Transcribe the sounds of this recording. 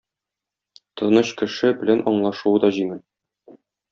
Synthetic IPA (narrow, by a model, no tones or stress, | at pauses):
t̪ɤ̆nɤɕkɘ̆ʃɘbɘ̆lænʔɒɴlˠɑʃuwɤd̪ɒʑimɘl